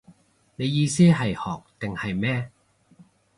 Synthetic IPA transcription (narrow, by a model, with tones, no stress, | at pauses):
ne˨˧jiː˧siː˥ɦɐ˨jhɔː˨˩k̚t̪ɪ˨ŋhɐ˨jmɛː˥